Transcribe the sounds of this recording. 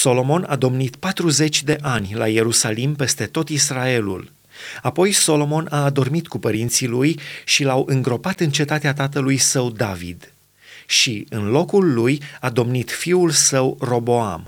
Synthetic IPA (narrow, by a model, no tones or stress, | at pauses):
so̞lo̞mo̞nad̪o̞mnit̪pat̪ɾuze̞t͡ʃʲd̪e̞ʔanʲlaje̞ɾusalimpe̞st̪e̞t̪o̞t̪israe̞lṵl | apo̞jso̞lo̞mo̞nad̪o̞rmit̪kupəɾin̪t̪silujʃilawʔɨŋɡɾo̞pat̪ɨnt͡ʃe̞t̪at̪eat̪at̪əlujsəwd̪avḭd̪ | ʃiɨnlo̞kulːujad̪o̞mnit̪fiulsəwro̞bo̞a̰m